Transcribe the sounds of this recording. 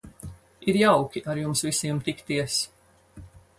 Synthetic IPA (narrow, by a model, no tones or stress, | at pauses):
iɾjawkʲiʔaɾjumsvisiɛmt̪ikt̪iɛs